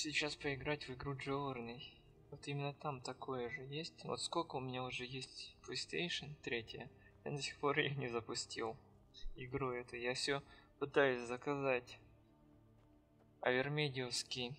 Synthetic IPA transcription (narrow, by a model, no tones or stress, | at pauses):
sʲɪt͡ɕaspəɪɡɾatʲvɪɡɾuʐɨrnəj | vot̪imʲɪnːət̪amt̪ɐkʰo̞jəʐɨjesʲtʲvot̪skolʲkəʊmʲɪnʲaʊʐɛjesʲtʲpləsʲt̪ejʂənt̪ɾʲetʲɪjə | ja̰d̪əsʲɪ̥xpo̞ɾɪ̰jonʲɪzəpʊsʲtʲilˠ | ɪɡɾuɛt̪ʊjafsʲɵpɨt̪ajʊsʲzəkɐzatʲ | ɐ̰vʲɪrmʲedʲɪəskʲɪj